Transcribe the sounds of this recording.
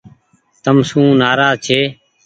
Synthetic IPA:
t̪əmsũːnaːɾaːzt͡ʃʰeː

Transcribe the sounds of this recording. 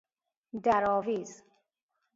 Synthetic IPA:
d̪aɾɔːviːz

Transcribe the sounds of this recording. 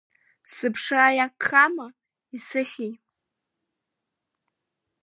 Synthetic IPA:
sɨpʰʂajakʰːama | isɨχʲij

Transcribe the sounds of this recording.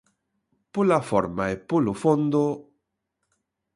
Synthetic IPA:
pulafoɾmaepulofond̪o

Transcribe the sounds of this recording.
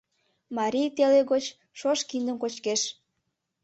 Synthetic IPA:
mɑɾʲijt̪eleɣot͡ɕ | ʃoʃkind̪əmkot͡ɕkeʃ

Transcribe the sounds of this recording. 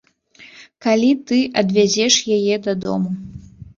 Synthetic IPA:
kalʲit̪ɨʔɐd̪vʲad͡zʲɛʂjajɛd̪ɐd̪ɔ̰mu

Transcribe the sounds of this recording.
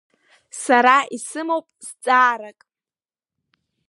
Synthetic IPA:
saɾaisɨmowpʼst͡sʼaːɾakʼ

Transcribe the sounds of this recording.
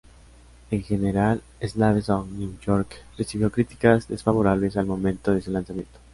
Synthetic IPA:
eŋxe̞neɾal | eznaβesoŋnjuʝoɾkresiβjo̞kɾit̪i̥kazðesfaβo̞ɾaβle̞s̬almõ̞mẽnt̪oðesulansamjẽ̞̰nt̪o

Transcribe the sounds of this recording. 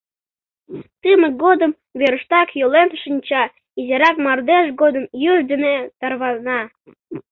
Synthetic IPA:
t̪ɨmək̚ɡod̪əm | βeɾəʃt̪ɑkjolenʃənʲt͡ɕɑ | izeɾɑkmɑrd̪eʃɡod̪əmjyʒd̪ənet̪ɑrβɑnɑ

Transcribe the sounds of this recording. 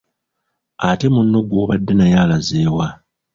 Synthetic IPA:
ate̞munːo̞ɡwo̞ːβadːe̞najaːlazeːwa

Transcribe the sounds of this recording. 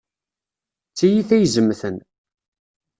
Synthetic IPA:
t͡sːæjiθæjzəmːθən

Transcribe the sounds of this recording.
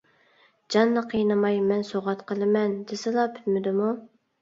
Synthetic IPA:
d͡ʒɑnːɨqʰəjnɨmɑjmɛnsoʁɑt̪qʰəlˠɨmɛnd̪ɪsɨlˠɑpʰy̥t̪mɪd̪ɪmu

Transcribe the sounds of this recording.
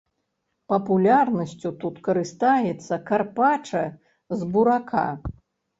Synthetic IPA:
pɐpulʲarnɐsʲt͡sʲut̪ut̪kɐɾɨst̪ajɛt̪sːɐkarpat͡ʂɐ | zbuɾakʰa̰

